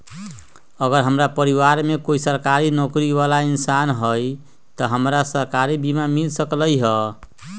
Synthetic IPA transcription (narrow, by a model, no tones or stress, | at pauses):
əɡəɾɦəmɾapəɾiwaɾmekoisəɾkaɾinokɾiʋalainsanɦəj | t̪ɔɦəmɾasəɾkaɾibimamilsəkləjɦə